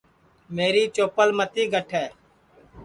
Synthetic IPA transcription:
meːɾiːt͡ʃoːpəlmət̪iːɡʱəʈʰɛː

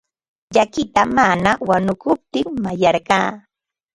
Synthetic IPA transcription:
ʎakɪt̪amanawanʊkʊp̚t̪ɪŋmajɑɾɢɑː

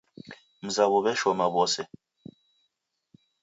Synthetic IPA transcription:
m̩zaβɔbɛʃɔmabɔsɛ

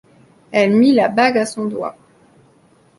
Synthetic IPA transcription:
ɛlmilabaɡasɔ̃d̪wa̰

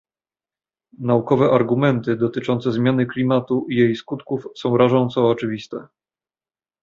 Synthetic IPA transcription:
naukɔvɛʔaɾɡumɛnt̪ɘd̪ɔt̪ɘt͡ʂɔnt̪sɛzmʲjanɘklʲimat̪uʔijejskut̪kufsɔ̃w̃ɾaʐɔ̃nt̪sɔːt͡ʂɘvʲist̪ɛ

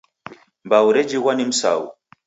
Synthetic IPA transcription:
mbawuɾed͡ʒiɣwanim̩sa̰w

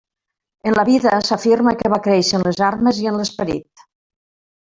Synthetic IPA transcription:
ənləβiðəsafirməkəβ̞akɾɛʃənləzarməziənləspəɾḭt̪

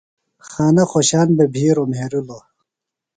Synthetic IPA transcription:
xaːnɐxoɕaːnbebʱiːɾomɦeɾulo

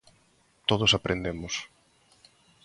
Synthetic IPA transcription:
t̪oð̞osapɾʔend̪emʊs

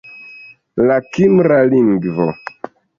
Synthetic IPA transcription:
lakimɾaliŋɡvo̰

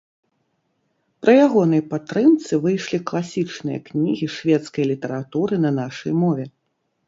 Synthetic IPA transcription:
pɾʔɨjaɣɔnɐjpat̪ːɾɨmt̪sɨvɨjʂlʲiklˠasʲit͡ʂnɨjɐ̰knʲiɣʲiʂvʲɛt̪skɐjlʲit̪ɐɾat̪uɾɨnɐnaʂɐjmɔvʲɛ

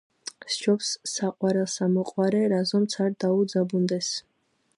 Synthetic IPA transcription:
st͡ʃʰɔpsːaqʼwaɾɛlˠsamɔqʼwaɾɛɾazɔmt̪sʰaɾd̪aud̪zabund̪ɛs

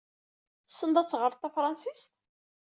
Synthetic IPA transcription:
θə̥sːənd̪ˤɑt͡sːʁəɾˤt̪ːæfɾˤɑnsist̪

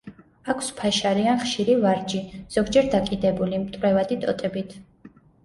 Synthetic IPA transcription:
akʰspʰaʃaɾianχʃiɾivaɾd͡ʒiz̥ɔɡd͡ʒɛɾd̪akʼid̪ɛbulimt̪ʼɾɛvad̪it̪ʼɔ̰t̪ʼɛbit̪ʰ

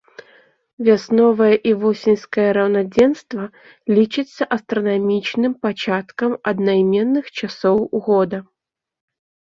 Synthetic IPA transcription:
vʲasnɔvɐjɐʔivɔsʲinʲskɐjɐɾɐwnad͡zʲɛnst̪vɐ | lʲit͡ʂɨt̪sʲːɐʔɐst̪ɾɐnamʲit͡ʃnɨmpat͡ʃat̪kɐmɐd̪najmʲɛnːɨxt͡ʃasɔwuɣɔd̪ɐ

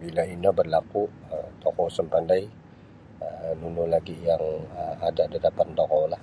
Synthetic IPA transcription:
bilainɔbərlakuət̪ɔkɔsəmpandaj | ənunulaɡijaŋəmadadadapant̪ɔkɔlah

